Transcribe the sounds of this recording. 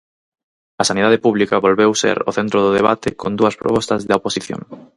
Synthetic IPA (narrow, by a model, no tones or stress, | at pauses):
ɐsaniðað̞epuβlikɐβolβewsḛɾo̰θent̪ɾoðʊðeβ̞at̪ɪkʰond̪uɐspɾo̰pɔst̪ɐzðɐoposiθjõ̰ŋ